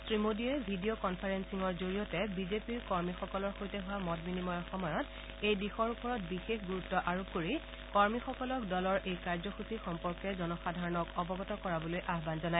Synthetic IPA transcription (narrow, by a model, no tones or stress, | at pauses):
sɹimodiɛbʱidiokɔnpʰaɹensiŋɔɹzoɹijɔtɛbizepiɹkɔɹmixɔkɔlɔɹxojtɛɦʊwamɔdbinimɔjɔxɔmɔjɔt | ejdixɔɹupɔɹɔt̚bixexɡuɹutːɔʔaɹukoɹi | kɔɹmixɔkɔlɔk̚dɔlɔɹejkaɹzɔxusixɔmpɔɹkɛzɔnɔxadʱaɹɔnɔkɔbɔɡɔtɔkɔɹabɔlojʔaɦbanzɔnaj